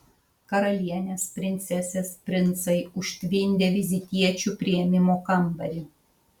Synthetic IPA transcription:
kɐɾɐlʲiɛnʲeːspʲɾʲɪnʲt̪sʲɛsʲespʲɾʲɪnˑt̪sɐɪʊʃʲt̪ʲʋʲɪnʲd̪ʲeʋʲɪzʲɪt̪ʲiɛt͡ʃʲupʲɾʲɪɛmʲɪmoːkɐmbɐɾʲɪ

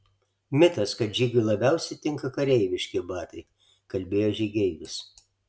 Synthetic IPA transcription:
mʲɪt̪ɐskɐt̪ʒʲiːɡʲʊlˠɐbʲɛʊsʲɛɪt̪ʲɪŋkɐkɐɾʲɛɪʋʲɪʃʲkʲɪbɑːt̪ɐɪ | kɐlʲbʲeːjoːʒʲɛɡʲɛɪʋʲɪs

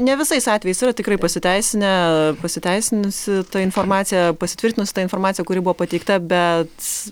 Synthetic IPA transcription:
nʲɛʋʲɪsɐɪsɑːt̪ʲʋʲɛjɛɪsiːɾɐt̪ʲɪkɾɐɪpɐsʲɪt̪ʲɛɪsʲɪnʲɛpɐsʲɪt̪ʲɛɪsʲɪnʊsʲɪt̪ɐɪnfoːrmɑːt̪sʲɪjɛpɐsʲɪt̪ʲʋɪɾʲt̪ʲɪnʊsʲɪ̥t̪ɐɪnfoːrmɑːt̪sʲjɛkʊɾʲɪbuʋoɔpɐt̪ʲɛɪkt̪ɐbʲɛt̪

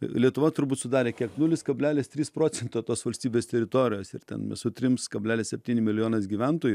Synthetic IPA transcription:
lʲiɛt̪ʊʋɐt̪ʊɾbuːt̪sʊd̪ɑːɾʲeːkʲiɛknuːlʲɪskɐbʲlʲæːlʲɪst̪ʲɾʲiːspɾoːt͡s̪sʲɛnt̪oːt̪oːsʋɐlʲsʲt̪ʲiːbʲeːst̪ʲɛɾʲɪt̪oːɾʲɪjoːsɪ̰ɾt̪ʲɛ̰nmʲɛ̰sʊt̪ʲɾʲɪmskɐbʲlʲæːlʲɪssʲɛpʲt̪ʲiːnʲɪmʲɪlʲɪjoːnɐs̬ɡʲiːʋʲɛnt̪oːjʊ

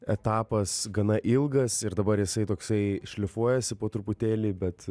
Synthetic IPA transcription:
ɛt̪ɑːpɐsɡɐnɐʔɪlˠɡɐsɪɾd̪ɐbɐɾjɪsɐɪt̪oːksɐɪʃʲlʲɪfuɔjɛsʲɪpoːt̪ɾʊpʊt̪ʲeːlʲiːbʲɛt̪

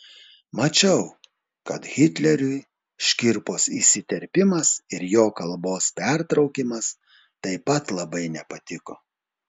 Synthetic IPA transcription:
mɐt͡ʃʲɛʊ | kɐt̪ɣʲɪt̪ʲlʲɛɾʲʊɪ | ʃʲkʲɪɾpoːsiːsʲɪt̪ʲɛɾʲpʲɪmɐsɪɾjoːkɐlˠboːspʲɛɾt̪ɾɒʊkʲɪmɐs | t̪ɐɪpɐt̪lˠɐbɐɪnʲɛpɐt̪ʲɪkoː

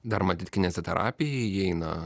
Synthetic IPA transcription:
d̪ɐɾmɐt̪ʲɪt̪ʲkʲɪnʲɛːsʲɛt̪ʲɛɾʔɑ̰ːpʲɪjɛɛɪnɐ

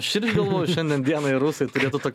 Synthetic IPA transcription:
ʃʲɪɾʲd͡ʒʲɡɐlˠʋoːjʊʃʲɛnʲd̪ʲɛnd̪ʲiɛnɐɪɾuːsɐɪt̪ʊɾʲeːt̪ʊt̪oːkʲ

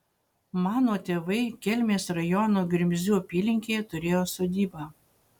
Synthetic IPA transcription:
mɑːnoːt̪ʲeːʋɐɪkʲɛlʲmʲeːsɾɐjɔnoːɡʲɾʲɪmʲzʲuːɐpʲiːlʲɪŋʲkʲeːjɛt̪ʊɾʲeːjoːsoːd̪ʲiːbɑ

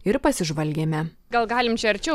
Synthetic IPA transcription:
ɪɾpɐsʲɪʒʋɐlʲɡʲeːmʲɛ | ɡɐlˠɡɑːlʲɪmt͡ʃʲɛɐɾʲt͡ʃʲɛ

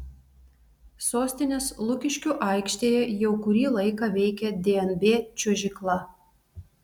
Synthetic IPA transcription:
soːsʲt̪ʲɪnʲeːslˠʊkʲɪʃʲkʲuʔɑˑɪkʃʲt̪ʲeːjɛjɛʊkʊɾʲiːlˠɐɪkɑʋʲɛɪkʲɛd̪ʲeɛnbʲeːt͡ʃʲuɔʒʲɪklˠɐ

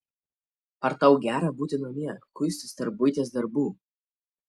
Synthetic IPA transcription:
ɐɾt̪ɐʊɡʲæːɾɐbuːt̪ʲɪnomʲiɛkʊsʲt̪ʲɪst̪ʲɐɾbʊɪt̪ʲeːsd̪ɐɾbuː

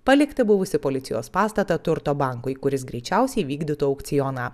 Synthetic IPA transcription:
pɐlʲɪkt̪ɐbʊʋʊsʲɪpoːlʲɪt̪sʲɪjo̰ːspɑːst̪ɐt̪ɐt̪ʊɾt̪oːbɑˑŋkʊɪkʊɾʲɪsɡɾʲɛɪt͡ʃʲæˑʊsʲɛɪʋʲiːɡd̪ʲɪt̪uːɐʊkt̪sʲɪjɔnɐː

